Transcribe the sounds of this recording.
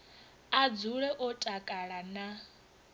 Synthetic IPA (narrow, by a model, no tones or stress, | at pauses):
ad͡zuɺɛʔɔtʼakʼaɺana